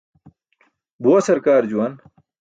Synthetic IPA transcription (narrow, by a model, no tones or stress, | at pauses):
buwɐsɐɾkaːɾd͡ʑuwɐn